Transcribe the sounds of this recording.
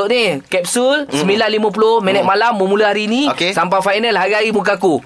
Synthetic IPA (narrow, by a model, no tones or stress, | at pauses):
oʔnikɛp̚sulsəmilanlimãp̬ulohmɛnɛt̪̚malamːə̃mulaɦaɾinĩokesampafajnəlɦaɾiaɾimuk̬aku